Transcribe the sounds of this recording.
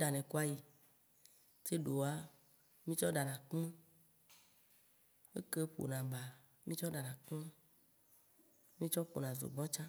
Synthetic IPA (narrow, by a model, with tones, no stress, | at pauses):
ɖa˨nɛ̃˨ka˦ji˨ | te˦ɖo˨a˦ | mĩ˦t͡ʃɔ˦ɖa˨nã˨k͡pe˦ | ḛ˦ke˦ɸo̰˨nã˨ba˨ | mĩ˦t͡ʃɔ˦ɖa˨nã˨k͡pe˦ | mĩ˦t͡ʃɔ˦ɸo̰˨nã˨zo̰˨ɡ͡bɔ̃˦t͡ʃã˦